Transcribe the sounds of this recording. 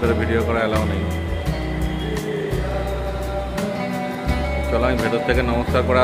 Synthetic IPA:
t̪aɾebʱiɖijokɔɽaalabɔnaj̃ | t͡ʃɔlãj̃bʱet̪ɔt̪ʰːekenɔmɔskaɾkɔɽa

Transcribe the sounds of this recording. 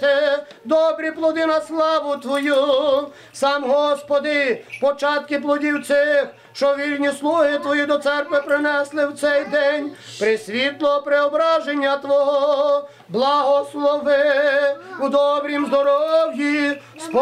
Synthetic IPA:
t̪ɪ | d̪ɔbɾʲiplˠɔd̪ɪnɐslˠɑʋʊt̪ʋɔju | sɑmɦɔspɔd̪ɪpɔt͡ʃɑt̪kɪplˠɔdʲiwt̪sɪx | ʃt͡ʃɔʋʲirʲnʲislˠuɦɪt̪ʋɔjid̪ɔt̪sɛrkʋɪpɾɪnɛslˠɪwt̪sɛjd̪ɛnʲ | pɾɪsʲʋʲit̪lˠɔpɾeɔbɾaʒenʲːɐt̪ʋɔɦɔɔ | blˠɐɦɔslˠɔʋɪ | ud̪ɔbɾʲimzd̪ɔɾɔwji | spɔ

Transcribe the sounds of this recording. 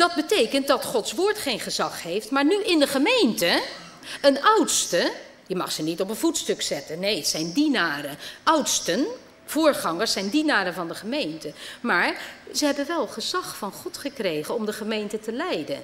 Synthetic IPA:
d̥ɑd̚bətejkənt̚dɑtχɔtsʋʊːɹtχejnχəzɑχɦejftmaːɹnyʔɪndəχəmejntə | ənʌwtstə | jəmɑ̰χsənitɔpənvutstɵksɛtənejsɛjndinaːrəʔʌwtstən | v̥ʊːɹχɑŋəɹsɛjndinaːɾənvɑndəχəmejntəmaːɹzəɦɛbənʋɛlˠχəzɑχfɑnχɔtχəkrejχənɔmdəχəmejntətəlɛjdən

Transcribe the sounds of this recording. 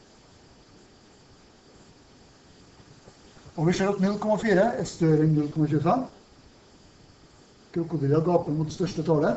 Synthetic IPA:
ɑːʋɪːʃeːɾɔt̪nʉlkʰɔmɑfiːɾəɛːst̪œɾɛnnʉlkʰɔmɑçʉːfɛm | kʰɾʊkʊd̪ɾɪɑɡɑːpəlmuːt̪st̪œʃʈət̪ʰɑːlə

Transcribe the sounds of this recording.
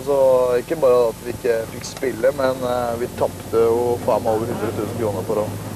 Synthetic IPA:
sɔɪkːəbɑːɾəɑt̪ʋɪɪkːəfɪkːspɪlːəmɛnʋɪt̪ʰɑpt̪əjʊfɑːmɑlʋəɾhʉnd̪ɾət̪ʰʉːsn̩kʰɾuːnəɾpʰɔɾɔn

